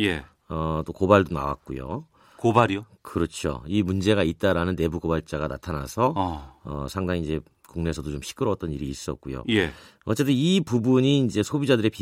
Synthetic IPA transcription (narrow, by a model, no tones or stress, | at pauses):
je | ʌt͈okobaɭdona̰wa̰k̚k͈ujo̰ | kobaɾiokɯɾʌt͡ɕʰo̰imund͡ʑe̞ɡait̚t͈aɾanɯnːe̞buɡobaɭt͡ɕ͈aɡana̰tʰana̰sʰʌʌ̰sʰaŋdaŋid͡ʑe̞ | kuŋne̞sʰʌdot͡ɕomɕʰi̥k͈ʰɯɾʌt͈ʌniɾiːs͈ʌ̰k̚k͈ujo̰jeʌ̰t͡ɕ͈e̞t͈ɯnipubuɲiːnd͡ʑe̞sʰobid͡ʑadɯɾe̞pi